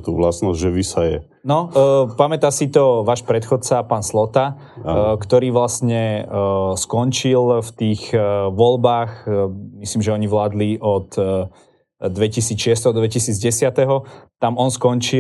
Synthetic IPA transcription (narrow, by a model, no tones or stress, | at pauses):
t̪uːʋlasnɔzʒɛʋisajɛ̰ | nɔpamɛt̪asit̪ɔʋaːʃpɾɛt̪xɔt̪t͡saːpaːnslɔt̪a | kt̪ɔɾiːʋlasɲɛ | skɔnt͡ʃilft̪iːɣʋɔlbaːxmisliːmʒɛɔɲiʋlaːd̪liʔɔt̪ | d̪ʋɛcisiːt͡sʃɪɛs̬t̪ɛɦɔd̪d̪ʋɛcisiːd͡zɟɛsɪat̪ɛɦɔt̪amɔnskɔnt͡ʃi